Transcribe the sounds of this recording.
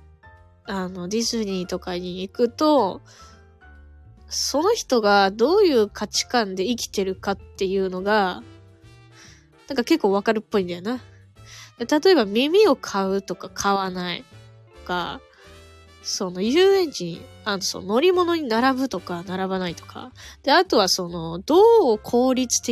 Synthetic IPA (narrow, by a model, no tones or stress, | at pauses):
ano̞ɾʲizɨɲ̟iːt̪o̞kaɲ̟iːkɯ̟t̪o̞ | so̞no̞çi̥t̪o̞ɡad̪o̞ːjɯ̟ːkʰat͡ɕi̥kãnd̪e̞ikʲi̥t̪e̞ɾɯ̟kat̪ːe̞jɯ̟ːno̞ɡa | nãŋkake̞kːoːβakaɾɯ̟pːo̞ĩnd̪ajona | d̪̥et̪at̪o̞e̞bamʲimʲio̞kʰaɯ̟t̪o̞kakʰaβ̞anaḭtt̪oka̰ | so̞no̞jɯːẽ̞ɲt͡ɕiɲ̟i | anːoso̰no̞ɾʲimo̞no̞ɲ̟inaɾabɯ̟t̪o̞kanaɾaβanait̪o̞̥kʰa̰d̪̥e̞at̪o̞βaso̞no̞d̪̥o̞ːkʰo̞ːɾʲit͡sɨ̥t̪e